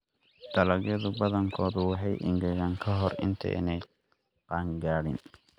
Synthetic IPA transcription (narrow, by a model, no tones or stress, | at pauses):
d̪̥ɐlɐɡjɐðʊbɐðɐŋkʰɔːðʊwɑħɑjʔɪ̰ŋɡɛɣaːŋkʰɐɦɔrɪ̰nt̪ʰɐ̰ɪ̰nɛj | qɑːŋɡaːɽɪn